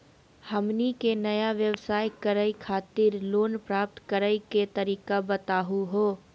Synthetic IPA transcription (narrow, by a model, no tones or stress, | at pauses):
həmnikenɐjaʋjəwsaːjkəɾəikʰaːt̪ɪɾloːnpɾaːp̚t̪kəɾəjket̪ɐɾiːkabət̪aːɦuɦoː